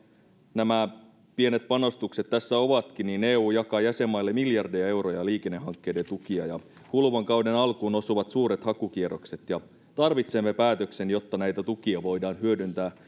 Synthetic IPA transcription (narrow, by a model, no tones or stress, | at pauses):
næmæ | pie̞ne̞t̪̚pɑno̞st̪ukse̞t̪ːæsːæo̞ʋɑt̪k̟inineːuːjɑkɑjæse̞mːɑjlːemiljɑrdejɑe̞wro̞jɑliːke̞nːehɑŋkːe̞jde̞nt̪ukiɑ̰jɑ | hulʋoŋkɑwde̞nɑlkuːno̞suʋɑt̪suːɾe̞t̪hɑkuk̟iero̞kse̞t̪jɑ | t̪ɑrʋit̪semːe̞pæːt̪ø̞kse̞njo̞t̪ːɑnæjt̪æt̪ukiɑʋo̞jdɑːnɦyødynt̪æː